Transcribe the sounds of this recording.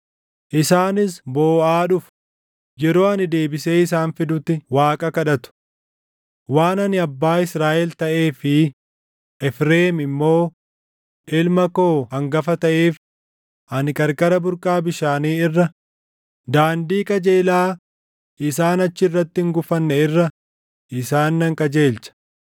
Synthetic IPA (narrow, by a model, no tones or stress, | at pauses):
ʔɪsaːnɪsbo̞ːʔaːᶑʊf | jɛɾo̞ːɐnɪd̪eːbɪse̞ːɪs̬aːnfɪd̪ʊt̪ːɪwaːkʼɐkɐᶑɐt̪ʊ̥ | waːnɐnɪɐbːaːɪsɾaːʔɛlt̪ɐʔe̞ːfɪ | ɛfɾeːmɪmːo̞ː | ʔɪlmɐko̞ːɐŋɡɐfɐt̪ɐʔeːf | ɐnɪkʼɐɾkɐɾɐbʊɾkʼaːbɪʃaːniːɪrːɐ | d̪aːnd̪iːkʼɐd͡ʒe̞ːlaː | ɪsaːnɐt͡ʃːɪɪrːɐt̪ːɪŋɡʊfɐnːɛɪrːɐ | ɪsaːnːɐŋkʼɐd͡ʒeːlt͡ʃɐ̥